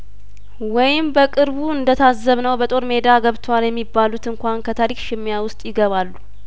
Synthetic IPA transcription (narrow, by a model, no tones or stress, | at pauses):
wɔjɪmbəkʼɨɾβuɨnd̪ət̪ʰazːəβnəwbət̪ʼo̞ɾme̞d̪aɡəβt̪ʰwaljɛmːibːalut̪ɨŋkʷankʰət̪ʰaɾikʃɪmːjawʊst̪ʼjɪɡəβalːu